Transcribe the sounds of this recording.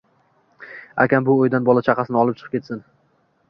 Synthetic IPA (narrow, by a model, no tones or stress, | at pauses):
a̰kʲanbʊojd̪anbɒlˠat͡ʃʰaqʰɑsɪnɪɒlɪpt͡ʃʰɨ̥qʰɨ̥p̚kʰʲe̞t̪sɪn